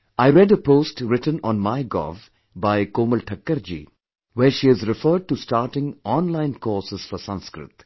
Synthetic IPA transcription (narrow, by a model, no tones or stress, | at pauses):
aɪɾɛɖəpoːsʈɾɪʈə̃nɔ̃nmaɪɡɔ̰ːv | baɪkoːmɪlʈʰəkːəɾd͡ʒḭː | ʋeːɾʃiːɪzɾɪfəːɖ̚ʈusʈaːɾʈɪ̃ŋɔ̃ːnlãɪ̃nkɔːɾsɪz̥fɔsʌ̃nskɾɪ̰t̪